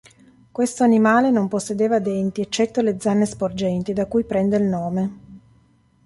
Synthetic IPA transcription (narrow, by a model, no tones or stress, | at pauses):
kwest̪oanimaːlenomposːed̪eːvad̪ɛnt̪iet͡ʃːɛt̪ːoled̪zːanːespord͡ʒɛnt̪id̪akujpɾɛnd̪eilnoːme